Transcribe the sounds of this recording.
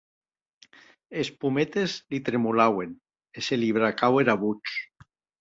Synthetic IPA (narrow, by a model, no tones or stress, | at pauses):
espumet̪ezlit̪ɾemulawen | eseliβ̞ɾakaweɾaβut͡ʃ